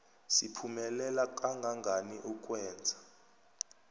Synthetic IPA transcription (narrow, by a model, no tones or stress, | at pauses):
sipʰumɛlɛlakʼaŋɡʱaŋɡʱaniʔuk̬ʼwɛːnd͡zʱḁ